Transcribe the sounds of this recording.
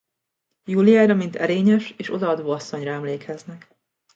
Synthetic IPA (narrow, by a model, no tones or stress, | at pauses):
julijaːjɾɒmint̪ʰɛɾeːɲɛʃeːʃo̞d̪ɒɒd̪oːɒsːo̞ɲrɒɛmleːkʰɛznɛk